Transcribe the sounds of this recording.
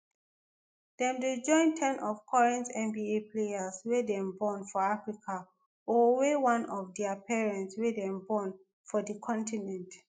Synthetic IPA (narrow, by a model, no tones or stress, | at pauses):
d̥ɛ̃mded͡ʒɔ̃ɪ̃ntʰɛ̃nɔvkʰɔɹɛ̃ntɛ̃mbiepʰleaswedɛ̃mbɔ̃nfɔafɹikʰa | ɔwewãnɔfdɛapɛɹɛ̃ntswedɛ̃mbɔ̃n | fɔdəkʰɔ̃ntʰinɛ̃nt